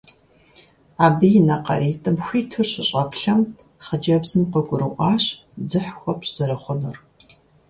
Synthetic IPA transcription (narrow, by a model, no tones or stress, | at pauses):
aːbɨjɪnɐqɐ̰ɾiːtʼɨmxʷiːtʰɨrɕɪɕʼɐpʰɬɐm | χəd͡ʒɐbzɨmqəɡʷʼʊɾɨʔʷɑːɕ | d͡zɨħxʷɔpz̥ɨɾɐχʷʊnɨr